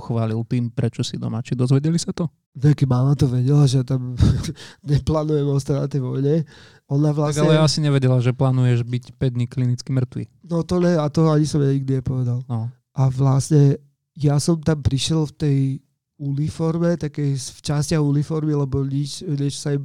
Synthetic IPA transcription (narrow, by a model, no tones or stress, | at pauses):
xʋaːlilt̪iːmpɾɛt͡ʃɔsid̪ɔ̰mat͡ʃid̪ɔzʋɛɟɛlisat̪ɔ | nɛkɛmaːmat̪ɔʋɛɟɛlaʒɛjat̪am | ɲɛplaːnujɛmɔst̪anat̪ɛjʋɔjɲɛ | ɔnaʋlaaɡaɲɛlɛjaasiɲɛʋɛɟɛlaʒɛplaːnujɛʒbicpɛd̚ɲiklinit͡skimr̩t̪ʋḭnɔt̪ɔɲɛat̪ɔaɲisɔmjaɲiɡ̚d̪iɲɛpɔʋɛd̪alnɔ | ʔaʋlasɲɛ | jasɔmt̪ampɾiʃjɛlft̪ɛj | unifɔɾmɛt̪akɛjsft͡ʃascaɣunifɔɾmilɛbɔɲit͡ʃɲɛt͡ʃsaɛ